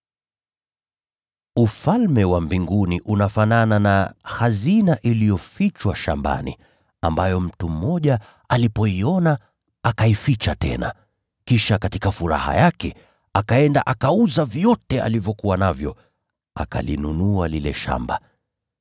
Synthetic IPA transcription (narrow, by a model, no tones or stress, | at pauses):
ufalmɛwambiŋɡuniʔunafanananahazinaʔilijɔfit͡ʃwaʃa̰mba̰nḭ | ambajɔm̩tum̩ːɔʄa | alipɔiɔna | akaifit͡ʃatɛ̰na̰ | kiʃakatikafuɾa̰ha̰jakɛ | akaɛndaʔakauzavjɔtɛa̰livjɔkuwanavjɔ | aka̰linunualilɛʃa̰mba